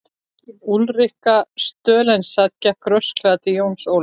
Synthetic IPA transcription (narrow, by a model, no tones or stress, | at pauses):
ulrɪhkast̪œːlɛnsaðcakɾœsklat̪ɪjownsow